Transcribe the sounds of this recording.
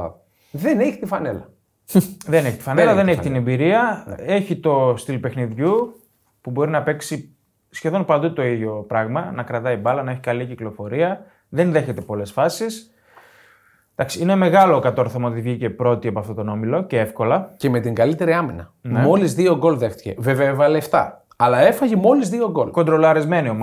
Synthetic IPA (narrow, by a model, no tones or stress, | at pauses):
ðeneçi̥t̪ifɐnelɐ | ðe̞neçi̥t̪i̥fɐnelɐðene̞çit̪ine̞mbiɾiɐe̞çit̪o̞st̪ilpe̞xniðʝu | pubo̞ɾinɐpe̞ksi | sçe̞ðo̞npɐnd̪ut̪o̞iðʝo̞pɾɐɣmɐnɐkɾɐt̪ɐibɐlɐnɐe̞çikɐliciklo̞fo̞ɾiɐ | ðe̞nðe̞çe̞t̪e̞po̞le̞sfɐsis | d̪̥ɐksiineme̞ɣɐlo̞kɐt̪o̞ɾθomɐot̪ivʝice̞pɾo̞t̪iɐpoɐft̪o̞t̪ono̞milo̞cee̞fko̞lɐceme̞t̪iŋɡɐlit̪e̞ɾiɐminɐnmeo̞lizðio̞ɡo̞lðe̞xt̪i̥çe̞̰vevevɐleft̪ɐ̰ | ɐlɐe̞fɐʝimo̞lizðio̞ɡo̞lko̞nd̪ɾo̞lɐɾizme̞niom